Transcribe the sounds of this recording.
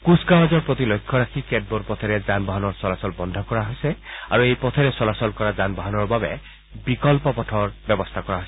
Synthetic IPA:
kuskawazɔɹpɹot̪ilojkʰːɔɹakʰikɛd̚boɾpɔt̪ʰɛɹɛzanbɔɦanɔɹsɔlasɔlbɔndʱɔkɔɹaɦojsɛaɹuejpɔt̪ʰɛɹɛsɔlasɔlkɔɹazanbɔɦanɔɹbabɛ̰ | bikɔlpɔpɔtʰɔɹbɛbɔst̪ʰakɔɹaɦojsɛ

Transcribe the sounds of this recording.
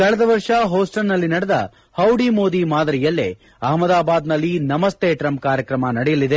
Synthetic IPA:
kɐɭɐd̪ɐʋɐɾʂɐɦoːsʈɐlnɐlːinɐɽɛd̪ɐ̰ | hɐwɖimo̞ːd̪imaːd̪ɐɾijɐlːḛ | ɐɦmɐd̪aːbaːd̪nɐlːinɐmɐst̪ʰeːʈɾɐmkaːɾjɐkɾɐmɐnɐɽɛjɐlːid̪e

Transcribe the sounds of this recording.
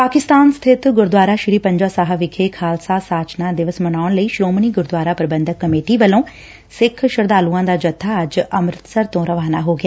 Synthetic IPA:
paːkɪst̪aːnst̪ʰɪt̪ɡʊɾd̪waːɾaːʃɪɾiːpəɲd͡ʒaːsaːɦaʋɪkʰeːkʰaːlsaːsaːt͡ʃnãːd̪ɪʋəsmənaːʊɳləiːʃɾoːmniːɡʊɾd̪waːɾaːpɾəbənd̪əkːəmeːʈiːʋəlõː | sɪkʰʃəɾd̪aːluːãːd̪aːd͡ʒət̪ʰːaːəd͡ʒəmɾɪt̪səɾt̪õːɾəʋaːnaːɦoːɡɪjaː

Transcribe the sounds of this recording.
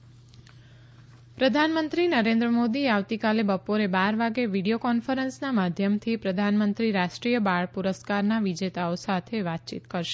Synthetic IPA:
pɾəd̪ʱanmənt̪ɾinəɾẽnd̪ɾəmod̪ieaʋt̪ikalebəpoɾebaɾʋaɡeʋiɽijokɔnfəɾənsnamad̪ʱjəmt̪ʰipɾəd̪ʱanmənt̪ɾiɾaʃʈɾijəbaɭpuɾəskaɾnaʋid͡ʒet̪aosat̪ʰeʋat̪̚t͡ʃḭt̪kəɾʃe̥

